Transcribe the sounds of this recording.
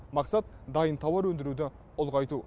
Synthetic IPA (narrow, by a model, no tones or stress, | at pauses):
mɑqsɑt̪̚d̪ɑjənt̪ʰɑwɑɾwɵnd̪ɪɾud̪ɪ | ʊlˠʁɑjt̪u